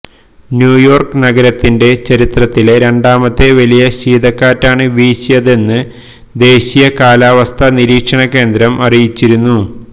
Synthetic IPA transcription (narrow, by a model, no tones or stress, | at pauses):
njuːjo̞ːrkɨnɐɡɐɾɐt̪ːinde̞t͡ɕɐɾit̪rɐt̪ːileɾe̞ɳɖaːmɐt̪ːeʋɐlijɐɕiːd̪ɐkːaːtːaːɳɨʋiːɕijɐðe̞nːɨ | d̪e̞ːɕijɐkaːlaːʋɐst̪ʰɐniɾiːkʂɐɳɐkːe̞ːnd̪ɾɐmɐrijit͡ɕːiɾunːu